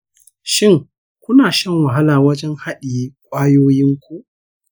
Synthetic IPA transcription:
ʃɪ˦˨ŋ | kʷʊ˦naː˨ʃɐ˦ŋwɐ˨ɦa˦laː˨wɐ˦d͡ʒɛ˦ŋha˦ɗiː˨˦kʷʼaː˦joː˦jɪ˦ŋkʷu˦ʔ

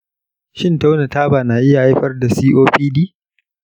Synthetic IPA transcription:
ʃɪ˦nta˦wna˨taː˦baː˨naː˨ʔɪ˦ja˨ha˦jɸɐ˦rda˨siː˦ʔoː˦ɸiː˦diː˦

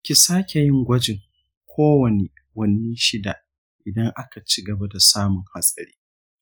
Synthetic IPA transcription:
kʲi˨saː˦kʲe˨jɪ˦ŋɡʷɐ˦d͡ʒɪ˨ŋ | kʷoː˦wɐ˨ne˨ | wɐ˦nːiː˦ʃɪ˦da˨ʔ | ʔɪ˨dɐ˦ŋʔa˦ka˨t͡ʃi˦ɡɐ˨ba˦da˨saː˦mʊ˨ŋha˨sʼɐ˨ɽiː˦

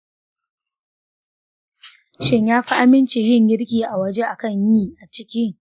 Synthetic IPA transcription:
ʃɪ˦ɲjaː˦ɸa˦ʔa˦mɪ˦nt͡ʃe˨jɪ˦˨ŋɡʲɪ˦ɽkʲiː˨ʔa˨wɐ˦d͡ʒe˦ʔa˨kɐ˦˨ɲjiː˦ʔa˨t͡ʃɪ˦kʲɪ˦ŋ

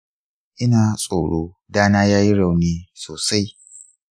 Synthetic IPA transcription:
ʔɪ˦naː˨sʼoː˨ɽoː˦ | daː˦naː˦jaː˦ji˦ɽɐ˨wneː˦soː˨sa˦j

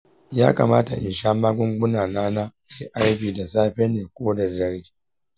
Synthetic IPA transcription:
jaː˦ka̰˨maː˦ta̰˨ʔɪ̰˨nʃaː˦maː˦ɡʷʊ˦ŋɡʊ˦naː˨naː˦na˦ka˨jʔa˦ɽɸiː˨da˨saː˦ɸɛ˦nːeː˨kʷoː˦dɐ˨dɐ˦ɽeː˦

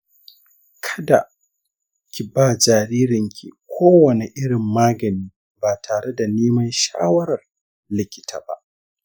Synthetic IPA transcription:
kʰɐ̥˦da˨ | kʲi˨baː˦˨d͡ʒaː˨ɾiː˦ɾɪ˨ŋkʲḭ˨kʷʰoː˦wɐ˨ne˨ʔɪ˦ɽɪ˨mːaː˦ɡɐ˨niː˦ | baː˨tʰaː˨ɽe˦da˨neː˦mɐ˦nʃa̰ː˦wɐ˦ɾɐ˨r | lɪ˦kʲɪ̥˦tʰa̰ː˨ba̰˦˨ʔ

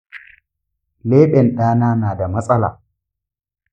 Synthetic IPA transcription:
leː˦ɓɛ˨nɗaː˦naː˦naː˨da˨mɐ˦sʼɐ˦la̰ː˨

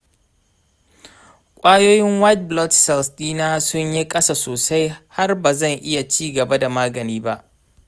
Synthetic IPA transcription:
kʷʼaː˦joː˦jɪ˦ŋwa˦t̚blɔ˦tsɛ˨lstʼiː˦naː˦sʊ˦ɲji˦kʼɐ˦sa˨soː˨sa˦jha˦rbaː˨zɐ˦˨ŋʔɪ˦ja˨t͡ʃiː˦ɡɐ˨ba˦da˨maː˦ɡɐ˨niː˦ba˦ʔ

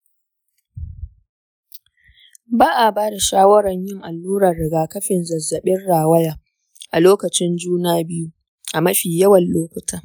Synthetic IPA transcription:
baː˦ʔa˨baː˦da˨ʃaː˦wɐ˦ɾɐ˨ɲjɪ˦ŋʔa˨lːuː˦ɾɐ˨rɽɪ˨ɡaː˨kɐ˦ɸɪ˨nzɐ˨zːɐ˨ɓɪ˦nɽaː˨wɐ˦jaː˨ | ʔa˨loː˦kɐ˨t͡ʃɪ˦nd͡ʒuː˦naː˦bɪ˦ju˦ | ʔa˨mɐ˦ɸiː˨jɐ˦wɐ˨nloː˦kʷʊ˨tʰaː˦

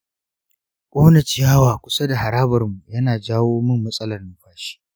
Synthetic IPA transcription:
kʷʼoː˦nɐ˨t͡ʃi˦jaː˦waː˨kʷʊ̥˦sa˦da˨ha˨ɾaː˦bɐ˨rmu˨jɐ˦naː˨d͡ʒaː˦woː˦mɪ˦˨mːɐ˦sʼɐ˦lɐ˨rnʊ˦ɸaː˦ʃi̥ː˦

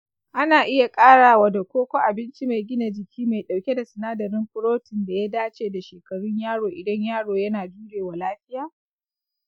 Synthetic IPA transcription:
ʔa˦naː˨ʔɪ˦ja˨kʼaː˦ɽaː˨wa˨da˨kʷoː˦kʷo˦ʔa˨bɪ˦nt͡ʃi˦ma˨jɡʲɪ˦na˨d͡ʒɪ˨kʲʰiː˦ma˨ɗa˨wkʲe˦da˨sɪ˨naː˦dɐ˨ɾɪ˦mɸʊ˦ɾoː˦tɪ˨nda˨ja˦daː˦t͡ʃeː˨da˨ʃeː˨kɐ˨ɽʊ˦ɲjaː˦ɽoː˨ʔɪ˨dɐ˦ɲjaː˦ɽoː˨jɐ˦naː˨d͡ʒuː˦ɽeː˨wa˨laː˦ɸɪ˦jaː˨

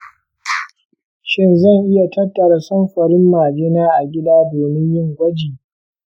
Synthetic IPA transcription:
ʃɪ˦nzɐ˦˨ŋʔɪ˦ja˨tɐ˦tːɐ˨ɾa˦sɐ˦mɸɐ˨ɽɪ˦mːaː˨d͡ʒɪ˦naː˦ʔa˨ɡʲɪ˦daː˦doː˨mɪ˦ɲjɪ˦˨ŋɡʷɐ˦d͡ʒiː˨

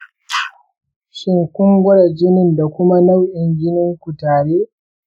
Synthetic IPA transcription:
ʃɪ˦ŋkʷʊ˦ŋɡʷʊ˦ɽa˨d͡ʒɪ˦nɪ˦˨nda˨kʷʊ˦ma˦na˦wʔɪ˨ŋɡʲɪ˦nɪ˦ŋkʷʊ˨taː˨ɽeː˦

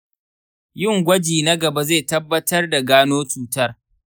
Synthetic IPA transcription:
jɪ˦˨ŋɡʷɐ˦d͡ʒiː˨nɐ˦ɡɐ˨ba˦zeː˦˨tɐ˦bːɐ˦tɐ˦rda˨ɡaː˦noː˦t͡ʃuː˦tɐ˦r

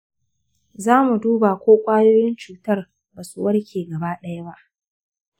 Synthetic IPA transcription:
zaː˦mu˨duː˦ba˨kʷoː˦kʷʼaː˦joː˦jɪ˦nt͡ʃuː˨tɐ˦r | baː˨sṵ˦wɐ˦rkʲeː˨ɡɐ˨baː˦ɗɐ˦ja˦ba˦ʔ

